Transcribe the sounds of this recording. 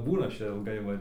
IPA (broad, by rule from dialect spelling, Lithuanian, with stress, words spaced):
ˈbuːnʊ ˈɐʃ ˈt͡ʃʲɛ ɪlˠˈɡɐɪ ʋɐ